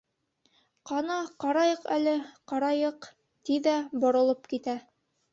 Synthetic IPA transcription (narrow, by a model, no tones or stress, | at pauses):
qɑnɑqɑɾɑjɤqælɘqɑɾɑjɤq | t̪iðæbŏɾɤ̆lˠɤpkit̪æ